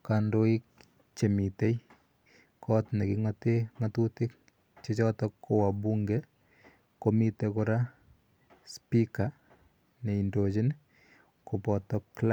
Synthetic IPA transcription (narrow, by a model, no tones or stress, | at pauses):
kandoik̚ | t͡ʃemitej | kʰɔtnekiŋteŋatutɪk̚ | t͡ʃet͡ʃɔtɔkʰːowabuŋɡe | komitekʊɾa | spika | neindot͡ʃin | kopɔtɔkl